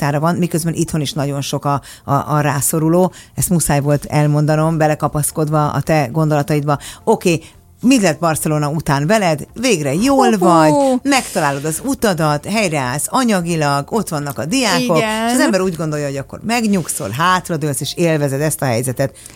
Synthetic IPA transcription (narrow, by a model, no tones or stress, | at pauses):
t̪aːɾɒvɒnmikø̞zbɛnʔit̪ho̞niʃnɒɟo̞nʃo̞kɒ̰ | ʔɾaːso̞ɾuloːɛst̪musaːjvo̞lt̪ɛlmo̞nd̪ɒno̞mbɛlɛkɒpɒsko̞d̪vɒɒ̰t̪ɛɡo̞nd̪o̞lɒt̪ɒid̪bɒo̞keː | mit̪lɛt̪̚bɒrsɛloːnɒut̪aːnvɛlɛd̪veːɡrɛjoːlvɒɟmɛkt̪ɒlaːlo̞d̪ɒzut̪ɒd̪ɒt̪ɦɛjɾɛaːlsɒɲɒɡilɒɡo̞t̪ʋɒnːɒkɒd̪ijaːkokeʃɒzɛmbɛɾuːɟɡond̪o̞ljɒɦo̞ɟɒkːo̞̰rmɛɡɲukso̞̰lɦaːt̪rɒd̪ølseːʃeːlvɛzɛd̪ɛst̪ɒɦɛjzɛt̪ɛt̪